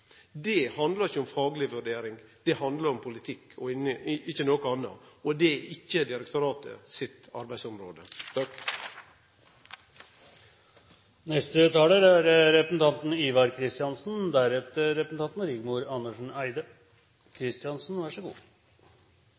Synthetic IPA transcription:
d̪ɛhɑnd̪ləɑɾɪçːəɔmfɑːɡlɪʋʉɾɖeːɾɪŋd̪̥ɛhɑnd̪ləɾɔmpʰʊlɪt̪ʰɪkʰːɔɪnəɪçːənoːkʊɑnːɑ̰ɔd̪ɛɪçːəd̪ɪɾəkt̪ʰʊɾɑːt̪ʰə̰sɪt̪ɑɾbæɪsɔmɾoːd̪ə | nɛst̪ət̪ʰɑːləɾæɾɾɛpɾəsn̩t̪ɑnt̪n̩iːʋɑɾkʰɾɪst̪ɪɑnsn̩d̪æɾɛt̪əɾɛpɾəsn̩ɑnt̪n̩ɾɪɡmuːɾɑnːəʂɳ̩æɪd̪ə | kʰɾɪst̪ɪɑnsn̩ʋæʂəɡṵː

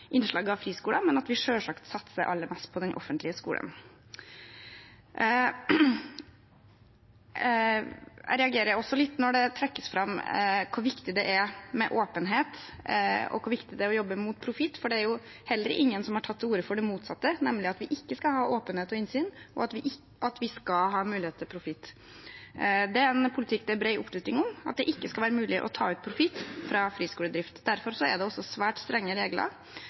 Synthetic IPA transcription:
ʔɪnʂɭɑːɡɑʋfɾiːskuːlɑmɛnɑt̪ʋɪʂøːlʂɑkt̪sɑt̪ːsəʔɑ̰lːəɾmɛst̪̚pʰɔd̪ɛnʔɔ̰fːənt̪lɪəskṵːlʔə̰n | ɾɛɑɡeːɾəɔsːɔlɪt̪ːnɔɖɛt̪ʰɾɛkːəsfɾɑmːkʰʊʋɪkt̪ɪd̪ɛʔæɾmɛʔoːpənɦeːt̪ | ɔ̰kʰʊɾʋɪkt̪ɪd̪ɛæɾɔjɔbːəmʊːt̪̚pʰɾʊfɪt̪ːfɔɖɛæɾjʊ | hɛlːəɾʔɪ̰ŋːənsɔmhɑʈʰɑt̪ʰːuːɾəfɔɖɛmuːt̪sɑt̪ːənɛmlɪɑt̪ʋɪʔɪkːəskɑlhɑːʔoːpənheːt̪ɔɪnsyːnɔ̰ɑt̪ʋɪʔɪ | ʔɑt̪ʋɪskɑlɦɑːmʉːlɪheːt̪ʰːɪlpʰɾʊfɪt̪ː | d̪ɛæɾɛnpʰʊlɪt̪ʰɪkːd̪ɛæbɾɛɪʔʊ̰plʉst̪ɪŋɔmɑ̰t̪̚d̪ɛʔɪkːəskɑlʋæːɾəmʉːlɪʔɔ̰t̪ʰɑ̰ːʉːt̪̚pʰɾʊfɪt̪ːfɾɑfɾiːskuːləd̪ɾɪft̪d̪æɾfɔɾsɔæ̰ɖɛɔsːɔsʋæːʈst̪ɾɛŋːəɾeːɡlə̰ɾ

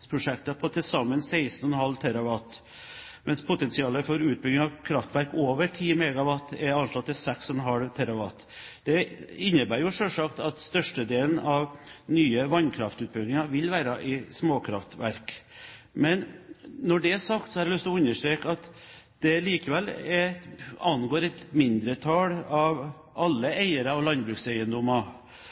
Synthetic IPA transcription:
pʰɾʊʂɛkt̪ɑpʰɔt̪ʰɪlsɑmːənsæɪsnɔnhɑlːt̪ʰæɾɑʋɑt̪ | mʔɛnspʰʊt̪ɛnsɪɑːləfɔɾʉːt̪̚bʏɡnɪŋɑkʰɾɑft̪ʋæɾkoːʋəʈʰiːmɛɡɑʋɑt̪ːɛɾɑnʂlɑt̪ːɪlsɛksɔnɦɑɽʋt̪ʰæɾɑʋɑ̰t̪ | d̪̥ɛɪnːəbæːɾjʊʂølʂɑkt̪ɑt̪st̪œʂʈəd̪eːln̩ɑʋnyːəʋɑnkʰɾɑft̪ʉːt̪̚bɪɡnɪŋɑʋɪlʋæːɾɑʔɪsmoːkʰɾɑft̪ʋæɾk | mɛnːɔɖɛæʂɑkt̪sɔhæɾɛlʏst̪ɔʉnːəʂʈɾeːkɑt̪ | d̪̥ɛliːkəʋɛlɛɑnɡoːɾɛt̪mɪnd̪ɾət̪ʰɑːɽɑʋ | ʔɑlːəæɪəɾɑɔʋlɑnbɾʉːksæɪənd̪ɔmɑ

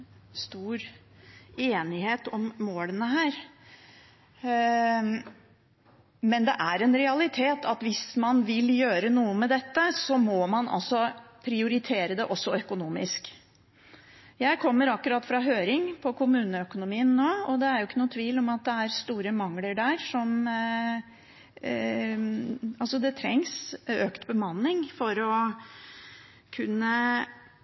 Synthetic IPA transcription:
st̪uːɾ | eːnɪheːt̪ɔmmoːlənəɦæːɾ | mɛnd̪ɛʔæɾɛnɾɛɑlɪt̪ʰeːt̪ʰɑt̪ʋɪsmɑnʋɪljøːɾənuːəmɛd̪ɛt̪ːəsɔmɔmɑnʔɑ̰lsɔpʰɾɪʊɾɪt̪ʰeːɾəd̪ɛʔɔsːɔœkʊnuːmɪ̰sk | jæɪkʰɔmːəɾɑkːʉɾɑt̪ːfɾɑɦøːɾɪŋpʰɔkʰʊmʉːnəœkʊnʊmiːənːoːɔd̪ɛæɾjʊɪkːənuːt̪ʰʋiːlɔmɑt̪̚d̪ɛæɾst̪uːɾəmɑŋːləɖæːɾʂɔm | ɑlsɔd̪ɛt̪ʰɾɛ̰ŋsøːkt̪bəmɑnːɪŋfɔɾɔ | kʰʉnːə

